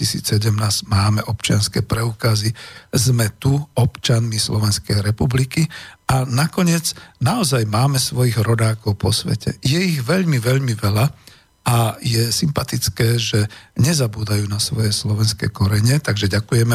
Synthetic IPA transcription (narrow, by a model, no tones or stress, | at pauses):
isḭːt͡ssɛɟɛmnaːz̥ɟmaːmɛʔɔpt͡ʃɪanskɛ̰pɾɛuːkazizmɛt̪uɔpt͡ʃanmislɔʋɛnskɛjɾɛpublikianakɔɲɪɛd͡znaɔzajmaːmɛsʋɔjiɣɾɔd̪aːkɔʊpʰɔsʋɛ̰cɛ̰jɛiɣʋɛʎmiʋɛʎmiʋɛʎa | ajɛsimpat̪it͡skɛːʒɛɲɛzabuːd̪ajuːnasʋɔjɛslɔʋɛnskɛ̰jkɔɾɛɲɛt̪aɡʒɛɟakujɛmɛ